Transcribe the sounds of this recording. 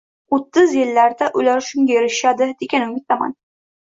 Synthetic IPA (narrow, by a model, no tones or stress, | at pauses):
ot̪ːɨzjɪlːaɾd̪aʔʊlaɾʃʊŋɡʲajeɾɪʃad̪ɪd̪ekʲanʊmɪt̪ama̰n